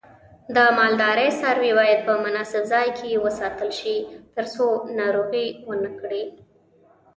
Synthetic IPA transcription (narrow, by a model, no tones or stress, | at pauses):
d̪əmɑld̪ɑɾəjsɑɾwewɑjad̪̚pəmʊnɑsɪbzɑjkʰejewəsɑt̪əlʃit̪əɾsonɑɾuɣiwənəkɽi